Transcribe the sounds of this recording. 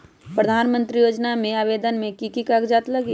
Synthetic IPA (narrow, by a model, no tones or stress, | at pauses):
pɾəd̪ʱaːnmə̃nt̪ɾijoːd͡ʒnamẽaːʋeːd̪ənmẽkikikakd͡ʒaːt̪ləɡi